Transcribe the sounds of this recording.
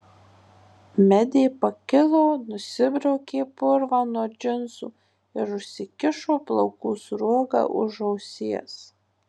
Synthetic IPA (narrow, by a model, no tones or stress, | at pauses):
mʲɛd̪ʲeːpɐkʲɪlˠoːnʊsʲɪbʲɾʲɛʊkʲeːpʊɾʋaːnuɔd͡ʒʲɪnsṵː | ɪɾʊʃʲsʲɪkʲɪʃoːplˠɐʊkuːsɾuɔɡɑ̰ːʔʊ̰ʒɐʊsʲiɛs